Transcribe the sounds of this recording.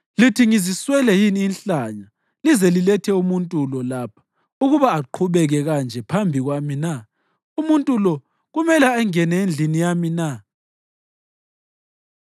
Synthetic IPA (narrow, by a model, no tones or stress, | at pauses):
litʰiŋiziswɛlɛjiniːnɬaɲa | lizɛlilɛtʰɛumuntʼulɔlaːpʰḁ | uɣuβaːǃʰuβɛɣɛɣand͡ʒʱɛpʰambʱiɣwamina | umuntʼulɔ | ɣumɛlɛaŋɛnɛend͡ɮʱinijamina